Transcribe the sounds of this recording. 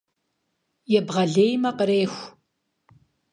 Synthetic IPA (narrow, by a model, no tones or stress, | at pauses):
jɛbʁɐɮeːjmɐqəɾeːxʷ